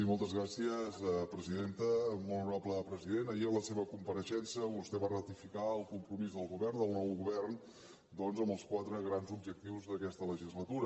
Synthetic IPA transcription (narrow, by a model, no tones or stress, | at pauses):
imɔlˠt̪əzɣɾasiəzəpɾəziðent̪əmɔlnuɾapləpɾəziðenəiəmləseβəkumpəɾəʃɛnsəβust̪ɛβarət̪ifikaəlˠkumpɾumizðəlˠɣuβɛrnd̪əlˠnɔwɣuβɛrn | d̪ɔnzəmbəlˠskwat̪ɾəɣɾanzub̚ʒək̚t̪iwzðəkɛst̪ələʒizlət̪uɾə